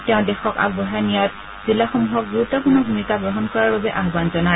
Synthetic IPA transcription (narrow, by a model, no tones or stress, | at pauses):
tɛʊ̃dɛxɔka̰k̚bɔɦanijat̚ | z̥ilːaxɔmuɦɔk̚buɹutːɔpʊnɔbʱumikaɡɹɔɦɔnkɔɹaɹbabɛʔaɦbanzɔna